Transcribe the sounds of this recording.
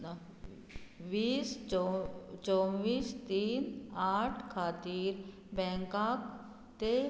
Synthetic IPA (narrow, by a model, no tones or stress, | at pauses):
ʋiːs | t͡ʃɔʋiːst̪iːnaːʈʰkʰaːt̪iːɾ | bɛ̃ŋkaːk | t̪e